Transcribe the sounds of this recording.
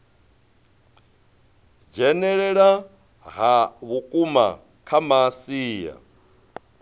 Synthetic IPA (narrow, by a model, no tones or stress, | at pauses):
d͡ʒɛnɛɺɛɺa | ɦaβukʼuma̰ | kʰamasiːja̰